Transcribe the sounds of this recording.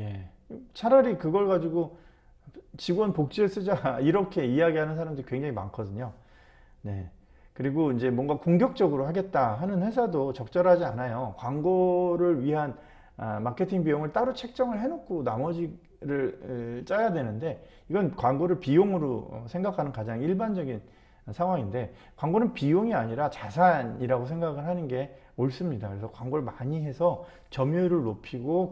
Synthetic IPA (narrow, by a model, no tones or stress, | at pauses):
je̞ | t͡ɕʰaɾʌɾikɯɡʌɭɡad͡ʑiɡo | t͡ɕiɡwʌnpok̚t͡ɕ͈ies͈ɯd͡ʑaiɾʌkʰe̞ijaɡiɦanɯnsʰaɾamdɯɾikwe̞ŋd͡ʑaŋima̰nkʰʌdɯɲo | ne̞ | kɯɾiɡoind͡ʑe̞mwʌŋɡakoŋɡjʌk̚t͡ɕ͈ʌɡɯɾoɦaɡe̞t̚t͈aɦanɯnɸwe̞sʰadot͡ɕʌk̚t͡ɕ͈ʌɾɦad͡ʑianajokwaŋɡoɾɯɭɥiɦan | makʰe̞tʰiŋbijoŋɯɭt͈aɾot͡ɕʰe̞k̚t͡ɕ͈ʌŋɯɭɦe̞nokʰonamʌd͡ʑi | ɾɯɭt͡ɕ͈ajadwe̞nɯnde̞ | iɡʌnkwaŋɡoɾɯɭpijoŋɯɾo̰sʰeŋɡakʰanɯnkad͡ʑaŋiɭband͡ʑʌɡin | sʰaŋwaŋinde̞ | kwaŋɡonɯnpijoŋiaɲiɾat͡ɕasʰaɲiɾaɡos̬ʰeŋɡaɡɯɭɦanɯnɡe̞ | oɭs͈ɯmɲidakɯɾesʰʌkwaŋɡoɾɯɭmaɲiɦe̞sʰʌ | t͡ɕʌmjuɾɯɭːopʰiɡo